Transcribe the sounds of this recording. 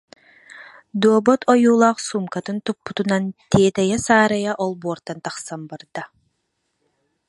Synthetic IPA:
d̪uɔbɔt̪ʰɔjuːlˠaːχsumkat̪ɯnt̪upːut̪unant̪eːt̪ɛjɛsaːɾajaʔɔlˠbuɔɾt̪ant̪aχsambaɾd̪a

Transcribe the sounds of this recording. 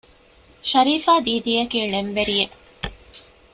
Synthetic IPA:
ʃɐɾiːfaːd̪iːd̪ijɐkiːnemʋeɾije

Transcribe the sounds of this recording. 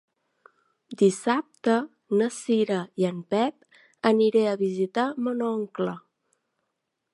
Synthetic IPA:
d̪isap̚t̪ə | nəsiɾəiəmpɛp̚ | əniɾeəβizit̪amənɔŋklə

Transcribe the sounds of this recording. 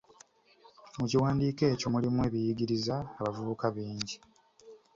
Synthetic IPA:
muciwaːndiːke̞ːco̞mulimuwe̞ːβijiɡiɾizaːβavuβukaβiːɲɟi

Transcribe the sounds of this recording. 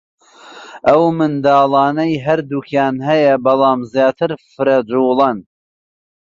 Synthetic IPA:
ʔɐwmɨnd̪ɑːlˠɑːnɐjɦɐɾd̪uːkʰjaːnɦɐjɐbɐlˠɑːmzjaːt̪ʰɨɾfɨɾɐd͡ʒuːlˠɐn

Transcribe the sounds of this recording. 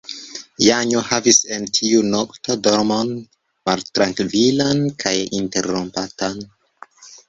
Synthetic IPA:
jaɲohavise̞ntʰiunoktodoɾmon | maltɾaŋkvilankʰajinte̞̰ɾompatan

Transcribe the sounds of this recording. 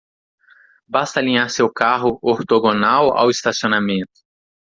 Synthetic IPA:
bast̪ɐalĩɲaɾsewkaɦʊoɾt̪oɡonawa̰wist̪asionamẽnt̪ʊ̥

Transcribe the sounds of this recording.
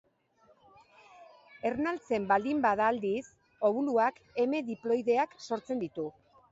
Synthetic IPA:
e̞ɾnalt͡se̞mbald̪imbaðaːld̪is | o̞βuluake̞me̞ðiplo̞jðe̞akso̞ɾt͡se̞nd̪it̪u

